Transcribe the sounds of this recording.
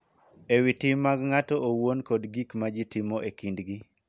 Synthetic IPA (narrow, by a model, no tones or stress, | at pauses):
ewitimːaɡŋatɔʔowonkodɡikmad͡ʒitimoʔekindɡi